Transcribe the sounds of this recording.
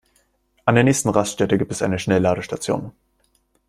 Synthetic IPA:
ʔandeɐnɛːçstn̩ʁasʃtɛtəɡiːptɛsʔa̰ɪnəʃnɛlaːdəʃtat͡sjo̰ːn

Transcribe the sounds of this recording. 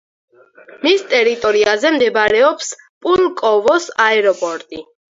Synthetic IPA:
mist̪ʼɛɾit̪ʼɔɾiazɛmd̪ɛbɾɛɔps | pʼulkʼɔvɔsaɛɾɔpʼɔɾt̪ʼi

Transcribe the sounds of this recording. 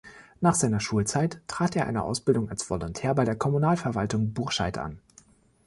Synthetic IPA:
naːχz̥aɪnɐʃuːlt͡saɪttʰːʁ̥aːteːɐʔa̰ɪnə̰ʔa̰ʊsb̥ɪldʊŋa̰lsv̥ɔlɔntʰɛːɐbaɪdeːɐkʰɔmunaːlfɛɐvaltʊŋbʊɐʃa̰ɪtʔa̰n

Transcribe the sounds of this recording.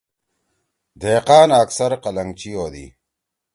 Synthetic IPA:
d̪eːqaːnɐksɐɾqɐlɐŋt͡ɕijoːd̪ḭ

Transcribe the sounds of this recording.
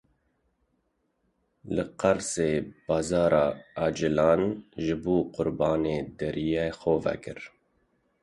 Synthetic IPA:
lɨqɑɾseːb̥ɑːzɑːɾɑːɑːd͡ʒɪlɑːnʒɨbuːqʊɾbɑːneːd̪ɛɾijexoːvɛ̰kɨɾ

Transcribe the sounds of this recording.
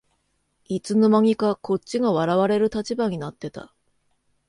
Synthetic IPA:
it͡sɨno̞maŋʲikakʰo̞t͡ɕt͡ɕɕiɡaβaɾaβaɾe̞ɾɯ̟t̪at͡ɕibaɲ̟inat̪ːe̞t̪a̰

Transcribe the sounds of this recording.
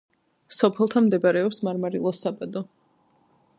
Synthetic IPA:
sɔpʰɛlˠt̪ʰamd̪ɛbaɾɛɔpsmaɾmaɾilˠɔsabad̪ɔ

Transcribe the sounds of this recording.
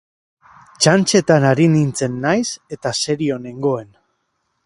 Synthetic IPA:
t͡ʃant͡ʃe̞t̪anaɾinint͡se̞nːajse̞t̪ase̞ɾio̞ne̞ŋɡo̞e̞n

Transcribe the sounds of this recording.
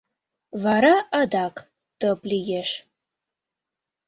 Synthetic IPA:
vaɾaadakʼ | təpʼlijɛʃ

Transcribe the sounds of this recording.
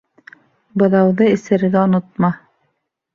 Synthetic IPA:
bɤ̆ðɑwðɤɘ̆sɘ̆ɾɘɡæŏnŏt̪̚mɑ

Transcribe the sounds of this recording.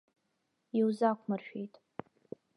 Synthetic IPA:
iwzakʷʰmɨrʃᶣejtʼ

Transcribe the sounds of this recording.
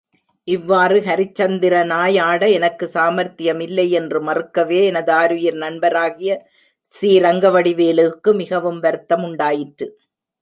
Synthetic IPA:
ʔɪʋːaːrɯɦɐɾɪt͡ʃːɐnd̪ɪɾɐnaːjaːɽɐɛnɐkːɯsaːmɐɾt̪ɪjɐmɪlːɐɪɛndrɯmɐrɯkːɐʋeːɛnɐðɯaːɾɯjɪɾnɐɳbɐɾaːɣɪjɐ | siːɾɐŋɡɐʋɐɽɪʋeːlɯkːɯmɪɣɐʋɯmʋɐɾt̪ːɐmʊɳɖaːjɪʈɾɯ

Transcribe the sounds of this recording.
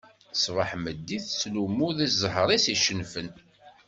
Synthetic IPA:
θsvəħməd̪ːiθslumuðiszəɦɾˤisiʃənfən

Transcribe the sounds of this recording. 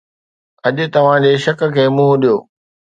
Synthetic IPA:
ɐʄʊt̪ɐʋ̤ãd͡ʑeːʃɐk̆kʰeːmũɦʊɗijoː

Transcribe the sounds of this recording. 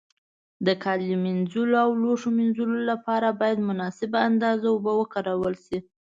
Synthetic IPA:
d̪əkʰɑlimɪnzuloawloʂomɪnzulolapɑɾabɑjad̪mʊnɑsɪbaand̪ɑzaʊbəwəkaɾawəlʃi

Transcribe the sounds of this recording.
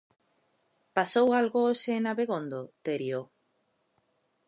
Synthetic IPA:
pasowalɣosenaβeɣond̪ot̪eɾjo

